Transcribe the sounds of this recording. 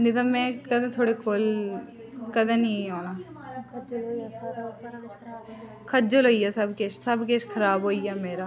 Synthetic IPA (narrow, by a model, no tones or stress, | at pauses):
nd̪it̪ɐmɛ̃kɐd̪ãt̪ʰoːɽekol | kɐd̪ãnioːnã | kʰɐd͡ʒolɦoːijaːsɐbket͡ʃsɐbk̬et͡ʃkʰɐɾaːbɦoːijaːmeːɾaː